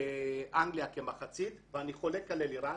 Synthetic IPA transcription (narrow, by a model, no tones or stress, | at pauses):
eʔaŋɡliakemaχat͡sit̪veaniχo̞lekːaleliɾa